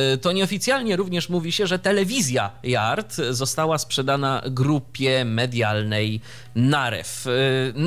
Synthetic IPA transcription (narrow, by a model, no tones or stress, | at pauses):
t̪ɔɲɛɔfʲit̪sʲjalɲɛɾuvɲɛʂmuvʲiɕɛʐɛt̪ɛlɛvʲizʲjajaɾt̪zɔst̪awaspʂɛd̪ana̰ɡɾupʲjɛmɛd̪ʲjalnɛj | naɾɛ̰fn